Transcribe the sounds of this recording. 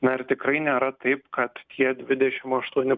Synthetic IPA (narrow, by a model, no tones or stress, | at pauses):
nɐɪɾt̪ʲɪkɾɐɪnʲeːɾɐt̪ɐɪpkɐt̪t̪ʲʰiɛd̪ʲʋʲɪd̪ʲɛʃʲɪmɐʃt̪uɔnʲɪ